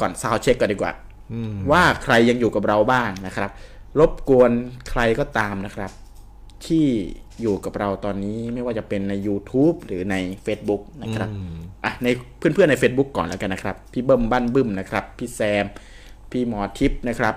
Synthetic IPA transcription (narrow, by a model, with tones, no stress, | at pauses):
kɔː˨˩nsaː˦˥˩wt͡ɕʰe˦˥kːɔː˨˩ndiː˧˩kwa̰ː˨˩ | waː˥˩kʰɾa˧jːa˧ŋjuː˨˩ka˨˩p̚ɾa˧wbaː˥˩ŋna˦˥kʰɾa˦˥p̚ | ɾo˦˥p̚ku˧ənkʰɾa˧jkɔː˥˩t̪aː˧mna˦˥kʰɾa˦˥p̚ | t̪ʰiː˥˩ | juː˨˩ka˨˩p̚ɾa˧wt̪ɔː˧nːiː˦˥ma˥˩jwaː˥˩t͡ɕa˨˩pe˧nːa˧jːuː˧t̪ʰuː˦˥p̚ɾɯː˩˦na˧jfeː˦˥t̪̚bu˦˥k̚na˦˥kʰɾa˦˥p̚ʔa˨˧˩na˧jpʰɯ˥˩əpʰɯ˥əna˧jfeː˦˥t̪̚bu˦˥kːɔː˨˩nlɛː˦˥wka˧nːa˦kʰɾa˦˥pʰːiː˥˩bɤ˥˩mbaː˥˩nbɯ˥˩mna˦˥kʰɾa˦˥pʰːiː˥˩sɛː˧m | pʰiː˥˩mɔː˧t̪ʰi˦˥p̚na˦˥kʰɾa˦˥p̚